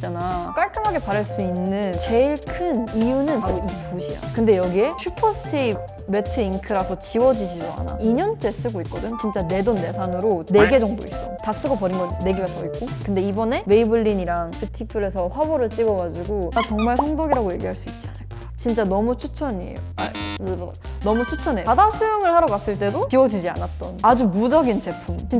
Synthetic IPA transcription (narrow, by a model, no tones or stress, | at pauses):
t͡ɕ͈anak͈aɭk͈ɯmɦaɡe̞paɾaɭs͈uinːɯnt͡ɕe̞iɭkʰɯnijunɯnpaɾoiɡepuɕʰija̰kɯnde̞jʌɡie̞t͡ɕʰupʰʌsʰɯ̥tʰii | me̞tʰɯiŋkʰɯɾasʰʌt͡ɕiwʌd͡ʑiɕʰidoɦa̰na̰iɲʌnt͡ɕ͈e̞s͈ɯɡoik̚k͈ʌdɯnt͡ɕint͡ɕ͈ane̞donːe̞sʰanɯɾone̞ɡe̞d͡ʑʌŋdo̰is͈ʌtas͈ɯɡʌpʌɾinɡʌnːe̞ɡeɡatʌik̚k͈okɯnde̞ibʌne̞me̞ibɯɭːiɲiɾaŋtʰɯtʰipʰɯɾe̞sʰʌɸwaboɾɯɭt͡ɕ͈iɡʌɡad͡ʑiɡoat͡ɕʌŋmaɭsʰʌŋdoɡiɾaɡoje̞̰ɡiɦaɭs͈uik̚t͡ɕ͈ianɯɭk͈a | t͡ɕint͡ɕ͈anʌmut͡ɕʰut͡ɕʰʌɲiḛjo̰a̰ | nʌmut͡ɕʰut͡ɕʰʌneadasʰujoŋɯɭhaɾʌɡas͈ɯɭt͈e̞dot͡ɕiwʌd͡ʑid͡ʑia̰nat̚t͈ʌnad͡ʑumud͡ʑʌɡint͡ɕe̞pʰumt͡ɕi